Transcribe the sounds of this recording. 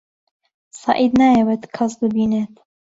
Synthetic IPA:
sɑ̰ːʔid̪najewɛt̪kʰɑsd̪ɨbiːnet̪

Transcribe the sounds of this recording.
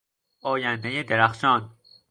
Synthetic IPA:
ʔɒːjænd̪ejed̪eɾæxʃɒːn

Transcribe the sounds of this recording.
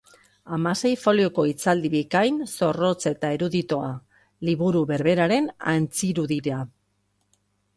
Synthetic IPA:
amase̞jfo̞lio̞ko̞it͡sald̪iβikajnso̞ro̞t͡se̞t̪aeɾuðit̪o̞a | liβuɾuβe̞ɾβe̞ɾaɾe̞na̰nt͡siɾuðiɾa

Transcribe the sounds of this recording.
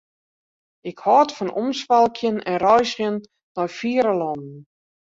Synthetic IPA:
ɪkhɔːtfɔnɔmsʋalˠkʰjənɛnrɔjsjənː | ɔjfiəɾəlɔndn̩

